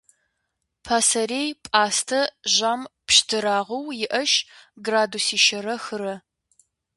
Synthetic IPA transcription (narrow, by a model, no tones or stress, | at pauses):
pʰaːsɐɾeːjpʼaːstʰɐʒaːmpʃtʰɨɾaːʁɐwjɪʔɐʃɡraːdusiːʃɐɾɐxɨɾɐ